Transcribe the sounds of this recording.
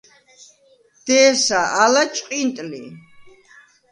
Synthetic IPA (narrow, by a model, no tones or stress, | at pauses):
d̪̥ɛːsaalat͡ʃʼqʼint̪ʼlḭ